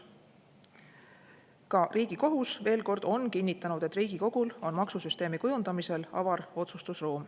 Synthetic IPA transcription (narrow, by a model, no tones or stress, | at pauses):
kɑriːɡ̥iko̞ɦusve̞ːlko̞rd̪̥o̞nkinʲːit̪ːˑɑnud̪̥e̞t̪ːriːɡ̥iko̞ɡ̥ulo̞nmɑksusyst̪e̞ːmikujund̪̥ɑmise̞lɑ̰vɑɾo̞t̪sust̪usroːm